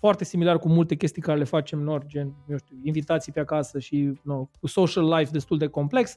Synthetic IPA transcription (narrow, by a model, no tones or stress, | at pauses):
foart̪e̞similarkumult̪e̞kʲe̞st̪ijkaɾele̞fat͡ʃe̞mnord͡ʒenjeʃt̪iuinvit̪at̪sijpeakasəʃinosoʃalːajfd̪est̪uld̪e̞ko̞mple̞ks